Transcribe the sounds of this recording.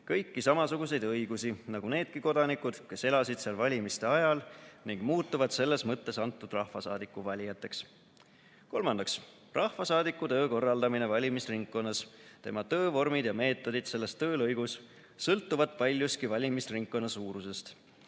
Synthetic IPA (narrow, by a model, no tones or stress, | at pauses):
kɤjkːisɑmɑsuɡ̥use̞jd̪̥ɤjɡ̥usinɑɡ̥une̞ːd̪̥̚kiko̞d̪̥ɑnikud̪̥ke̞se̞lɑsid̪̥seɑlvɑlʲimist̪e̞ɑjɑlniŋɡ̥muːt̪ːˑuvɑd̪̥se̞lːe̞smɤt̪ːe̞sɑnt̪ːˑud̪rɑhfɑsɑ̰ːd̪ikːˑuvɑlʲijɑt̪ːˑe̞ks | ko̞lmɑnd̪ɑks | rʔɑhvɑsɑːd̪ikːˑut̪ø̞ːko̞rːɑld̪ɑmine̞vɑlʲimisriŋkkːo̞nːɑst̪e̞mɑt̪ɤ̞ːvo̞rmid̪̥jɑme̞ːt̪ːˑo̞d̪̥id̪̥se̞lːe̞st̪øːlɤjɡ̥us | sɤlt̪ːuvɑd̪̥pɑlʲjust̪kivɑlʲimisriŋk̚kːo̞nːɑsuːɾuse̞st̪